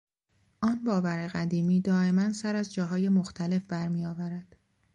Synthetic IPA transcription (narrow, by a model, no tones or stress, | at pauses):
ʔɒːnbɒːvæɾe̞ɣæd̪iːmiːd̪ɒːe̞mænsæɾæzd͡ʒɒːɦɒːje̞moxt̪ʰæle̞fbæɾmiːjɒːvæɾæd̪̥